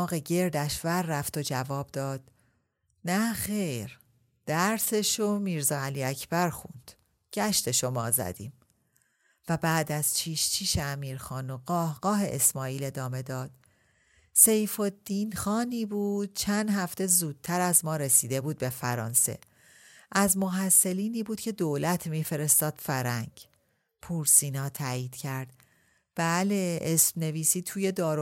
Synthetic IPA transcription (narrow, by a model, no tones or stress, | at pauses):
ɒːɣe̞ɟe̞ɾd̪æʃvæɾːæft̪o̞d͡ʒævɒːb̚d̪ɒːd̪̥ | næxe̞jɾ | d̪̥æɾse̞ʃomiːɾzɒːæliːæcʰb̥æɾxṵnd̪̥ | ɟ̥æʃt̪e̞ʃo̞mɒːzæ̰d̪ḭːm | væbæːd̪æz̥t͡ʃʰiːʃt͡ʃʰiːʃeæmiːɾxɒːnoɣɒːhɡ̥ɒːɦe̞ʔesmɒːiːle̞d̪ɒːme̞d̪ɒːd̪̥̚ | se̞jfo̞d̪ːiːnxɒːniːbuːd̪̥̚t͡ʃʰænd̪ɦæft̪e̞zuːd̪̥̚t̪ʰæɾæzmɒːɾe̞siːd̪e̞buːd̪̚be̞fæɾɒ̰ːnse̞̰ | ʔæzmoɦæsːe̞liːniːbuːd̪cʰe̞d̪oːlæt̪ʰmiːfe̞ɾest̪ɒːd̪̥fæɾæŋɟ | pʰuːɾsiːnɒːt̪ʰæiːd̪̥cʰæɾd̪̥ | b̥æːle̞esmne̞viːsiːt̪ʰuːje̞d̪ɒːɾo